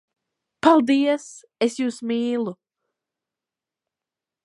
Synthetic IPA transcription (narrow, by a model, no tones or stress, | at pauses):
palˠd̪iəs | esjuːsmiːlˠu